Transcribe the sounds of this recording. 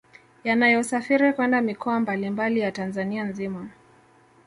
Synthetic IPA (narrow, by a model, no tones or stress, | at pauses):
janajɔsafiɾikwɛndamikɔambalimbalijatanzanianzima